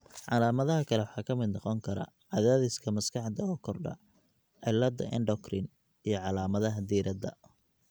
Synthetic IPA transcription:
ʕɑ̰laːmɐðɐɦɐkʰɐlɛwħɑːkʰɐmɪd̪nɑqɔŋkʰɐɾɐ̰ | ʕɑðaːðɪskʰɐmɐskʰɑħd̪ɐɔkʰɔrɖɐ̰ | ʕɪlːɐd̪ɐ̰ʔɪ̰nɖɔkrɪn | ijɞʕɑlaːmɐðɐɦɐd̪iːɾɐd̪ɐ̰

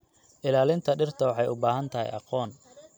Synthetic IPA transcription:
ʔɪlaːlɪnt̪ʰɐɖɪrt̪ʰɐwɑħɑjʊbaːɦɐnt̪ʰɐɦɛ̰jʔɑ̰qɔːn

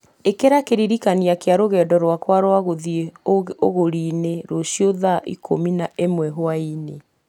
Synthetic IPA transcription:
ekeɾakeɾiɾikaniakeaɾoɣɛːdɔɾwakwaɾwaɣoðieooɣoɾineɾoʃioðaʔḭkʰominaʔemwɛɦoaine

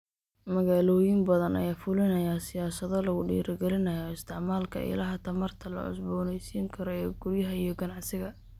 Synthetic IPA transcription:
mɐɣaːlɔːjɪmbɐðɐnɐ̰jaːfʊlɪnɐjaːsɪjaːsɐðɔlɐɣʊɖḭːɾɐɡɛlɪnɐjɔɪst̪ʰɪʕmaːlkʰɐ̰ɪ̰lɐɦɐt̪ʰɐmɐrt̪ʰɐlɐ̰ʔʊ̰sbɔːnɛjsiːŋkʰɐɾɔɛɡ̥ʊrjɐɦɐijɞɡɐnɑʕsɪɣɐ

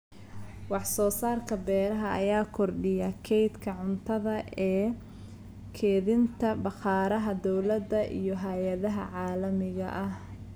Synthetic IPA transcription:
wɑħsɔːsaːrkʰɐbɛːɾɐɦɐʔɐjaːkʰɔrɖɪjɐkʰɛjd̪kʰɐʕʊnt̪ʰɐðɐɛː | kʰɛːðɪnt̪ʰɐbɑqɑːɾɐɦɐd̪ɔwlɐd̪ɐʔḭjɔɦɐjɐðɐɦɐ̰ʕɑːlɐmɪɣɐ̰ʔɐh

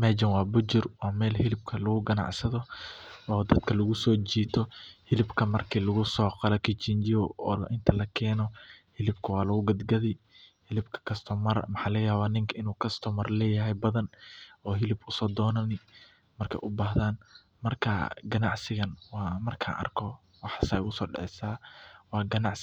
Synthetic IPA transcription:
mɛːd͡ʒɐnwɑːbʊt͡ʃɪrwɑːmɛːlhɪlɪbkʰɐlɐɣʊɡɐnɑ̰ʕsɐðɔɔːd̪ɐd̪kʰɐlɐɣʊsɔːt͡ʃiːt̪ʰɔhɪlɪbkʰɐmɐrkʰiːlɐɣʊsɔːqɑlɐkʰɪt͡ʃɪnt͡ʃɪɔɔ̰ːl̰ʔɪnt̪ʰɐlɐkʰɛːnɔhɪlɪb̚kʰɐwɑːlɐɣʊɡɐd̪ɡɐðɪjhɪlɪbkʰɐ̥kʰɐst̪ʰɔmɐrmɐħaːlɐɣjaːβaːnɪŋkʰɐɪnuːkʰɐst̪ʰɔmɐrlɛːjɐɦɛjbɐðɐnɔːɦɪlɪbʊsɔːd̪ɔːnɐnɪ | mɐrkʰɛ̰jʔʊbaːɦðaːn | mɐrkʰɐ̰ɡɐnɑʕsɪɣɐnwɑːmɐrkʰa̰ʔɐ̰rkʰɔ | wɑħsɐːjɣʊsɔːɖɪ̰ʕɛsaːwɑːɡɐnɑʕs

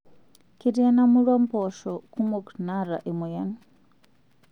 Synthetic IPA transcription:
keɾianamuɾɔmpɔʃɔkumoknaɾaʔemojan

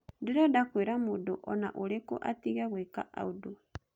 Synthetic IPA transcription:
diɾodakweɾamudoʔona̰ʔuleko̰ʔatiɣaɣwekaʔa̰udu

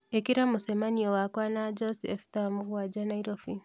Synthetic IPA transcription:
ekiɾamusemaniowakwanad͡ʒosiefi̥tamuɣwad͡ʒanaiɾofi

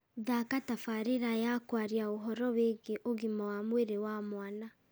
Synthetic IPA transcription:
ðakatafaɾeɾajakwaɾiaoɦɔɾɔweːŋɡeʔoɣimawamweɾewamwana

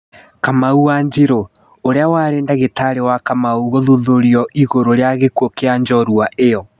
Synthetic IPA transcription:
kamauwaːɲd͡ʑiɾo | oɾeawaɾeːndaɣetaɾewakamauɣoðuðoɾiɔʔiɣoɾoɾeaɣekwɔkeaɲd͡ʒɔɾwaʔejɔ

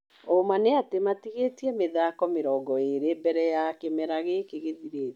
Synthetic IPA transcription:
omaneatematiɣetiɛmeðaːkɔmeɾɔːɡɔeɾebɛɾɛjakemɛɾaɣekeɣeðiɾeːt

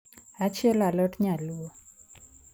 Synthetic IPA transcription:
at͡ʃʰelaləʈɲaluɔ

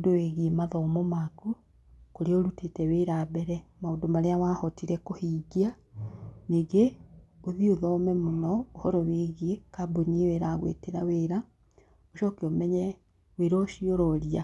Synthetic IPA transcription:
doweɣiemaðɔːmomaku | koɾeoɾutetɛweɾabɛɾɛmaondomaɾeawahɔtiɾɛkohiːɡia | neɡeoðioðɔmɛmonɔːhɔɾɔweɣekabonieweɾaɣwḛteɾaweːɾa | oʃɔkeomɛɲɛ | weɾɔʃiɔɾɔɾia

